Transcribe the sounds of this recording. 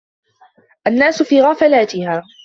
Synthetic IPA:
ʔanːaːsʊfiːɣafalaːt̪ɪhaː

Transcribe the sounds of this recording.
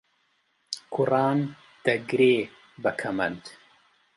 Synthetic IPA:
kʰʊrɑːn | d̪̥ɐɡɾeː | bɐkʰɐmɐnd̪

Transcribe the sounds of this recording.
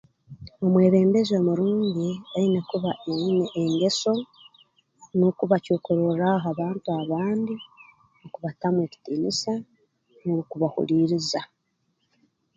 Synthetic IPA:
o̞mwe̞ːβe̞ːmbe̞zo̞muɾuːɲɟiainekuβaʔeneʔeŋɡe̞so̞ | nokuβacuːkuɾoɾaɦaβaːntuaβaːndi | nokuβatamwe̞ːci̥tiːnisa | noukuβahṵɾiːɾiza

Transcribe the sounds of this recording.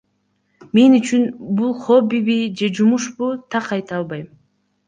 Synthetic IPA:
me̞nyt͡ʃynbulˠχo̞biβid͡ʒe̞d͡ʒumuʃbut̪ʰɑqɑjt̪ɑlˠβɑjm

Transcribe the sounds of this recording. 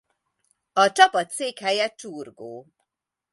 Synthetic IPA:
ɒt͡ʃɒpɒt̪seːkhɛjɛt͡ʃuːrɡoː

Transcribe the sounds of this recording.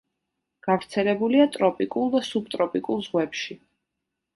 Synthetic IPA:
ɡ̥avɾt̪sʰɛlɛbuliat̪ʼɾɔpʼikʼulˠd̪asub̚t̪ʼɾɔpʼikʼulˠzʁwɛpʃi

